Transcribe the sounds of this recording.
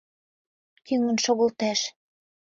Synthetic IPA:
kyŋə̆nʃoɣə̆lt̪æʃ

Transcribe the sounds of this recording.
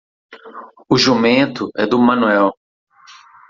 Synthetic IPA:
ʊʒumẽt̪ʊʔɛd̪ʊmɐ̃nuɛw

